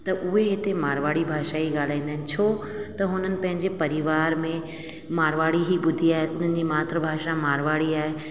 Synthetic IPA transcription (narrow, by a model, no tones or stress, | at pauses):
t̪ɐʔʊɦeɦɪt̪emaːɾʋaːɽibʱaːʃaiɡaːl̤aːĩːnd̪əɦnɪ̆t͡ɕʰo | t̪ɐɦʊn̤ənɪ̆pɐ̃ɦɪ̃ɲd͡ʑepɐɾiʋaːɾmẽ | maːɾʋaːɽiɦibʊd̪ʱiaːɦeʊn̤ənɪ̆d͡ʑiːmaːt̪ɾəbʱaːʃamaːɾʋaːɽiaːɦe